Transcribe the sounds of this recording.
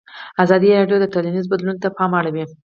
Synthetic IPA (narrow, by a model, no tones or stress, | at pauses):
azɑd̪iɾɑɖjod̪ət̪alanizbad̪lunt̪apɑmaɽawi